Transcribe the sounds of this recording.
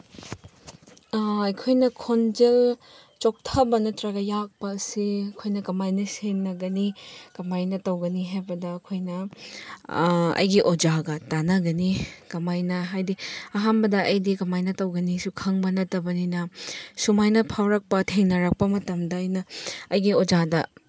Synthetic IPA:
ɐjkʰojnɐkʰond͡ʒel | t͡ʃok̚tʰɐbɐnɐtɾɐɡɐjak̚pɐːsiɐkʰojnɐkɐmajnɐseŋnɐɡɐnikɐmajnɐtɐwɡɐniɦajbɐdɐːkʰojnɐ | ɐ̰jɡiʔod͡ʒaɡɐtanɐɡɐnikɐmajnɐɦajdiɐɦambɐdɐɐjdikɐmajnɐtɐwɡɐnisukʰɐŋbɐnɐtɐbɐninɐsumajnɐpʰawɾɐk̚pɐtʰeŋnɐɾɐk̚pɐmɐtɐmdɐːjnɐːjɡiod͡ʒadɐ

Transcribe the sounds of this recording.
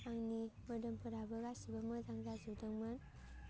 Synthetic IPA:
aŋnimədəmpɯɾabəɡasibaməzaŋzazudəŋmən

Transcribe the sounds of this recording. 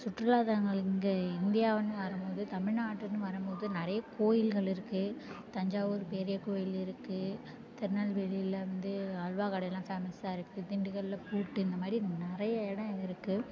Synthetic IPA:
sʊʈɾɯlaːðaŋɡɐɭɪŋɡeɪnd̪ɪjaːʋɐnːɯʋɐɾɐmpoːðɯt̪ɐmɪɻnaːʈːɐnːɯʋɐɾɐmpoːðɯnɪɾɐjɐkʰoːjɪlɣɐɭɪɾɯkːɯt̪ɐɲd͡ʒaːʋoɾɯpeːɾɪjɐkoːjɪlɪɾɯkːɯ | t̪ɛɾnɐlʋɛɭiɪlɐʋɐnd̪ɯɐɻʋaːkɐɽɐjɛlːãːfaːmɐsaːɪɾɯkːɯd̪ɪɳɖɯɣɐɭɪlɐpuːʈːɯɪnd̪ɐmaːd̪ɾinɪɾɐjɐɛɽɐ̃ɪɾɯkːɯ

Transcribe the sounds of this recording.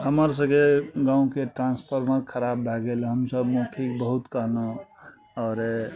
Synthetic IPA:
ɦəməɾs̬ə̃ɡeɡãũkeʈɾãnspʰəɾməɾkʰəɾabːʱɛɡelɦəmsəbmepʰikbəɦut̪kəɦnə | ɔːɾ

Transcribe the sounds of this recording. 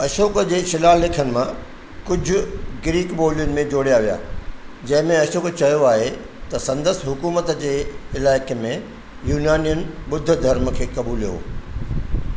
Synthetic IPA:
ɐʃoːkd͡ʑeːʃɪlaːlekʰənɪ̆mã | kʊd͡ʑʱʊ̆ɡɾiːkɓoːlijʊnɪ̆mẽd͡ʑoːɽijaʋija̰ːd͡ʑɐ̃ɦɪ̃mẽɐʃoːkt͡ɕɐjoaːɦe | t̪ɐsɐ̃nd̪əsɦʊkuːmət̪d͡ʑeːɪlaːɪkmẽ | juːnjaːnijənɪ̆ɓʊd̪ʱːʊ̆d̪ʱɐɾm̆kʰeːkɐbuːlijo̰ː

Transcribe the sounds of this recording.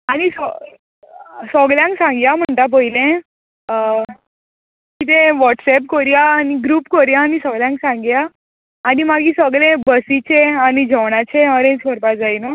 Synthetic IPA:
añisɔ | sɔɡljãŋksãŋɡjam̤əɳʈ̪ap̬əɦilẽ | kit̪ẽʋɔʈsɛpkɔɾjaːniɡɾuːpkɔɾjaːnisɔɡljãŋksãŋɡjaː | nimaɡiːsɔɡlẽbəsit͡ɕeanid͡ʑʱəʋɽat͡ɕeəɾẽt͡skɔɾpad͡zajnə

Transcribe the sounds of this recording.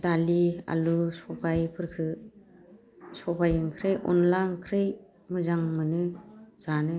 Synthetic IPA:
dalia̰lusɔpajpʰɯɾkʰɯ | sɔbajɯŋkʰɾejʔɔ̰nlaŋkʰɾej | mɯzaŋmɯnɯz̥anɯ

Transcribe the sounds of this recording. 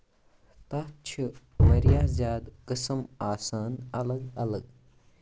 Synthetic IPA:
t̪ɐɦt͡ʃʰi | mɐɾijaːzjaːd̪kɨsɐmaːsaːnɐlɐɡɐlɐɡ

